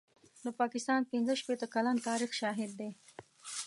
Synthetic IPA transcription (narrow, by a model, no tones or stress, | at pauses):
d̪əpɑkɪst̪ɑnpɪnzəʃpet̪əkalant̪ɑɾixʃɑɦɪd̪ːe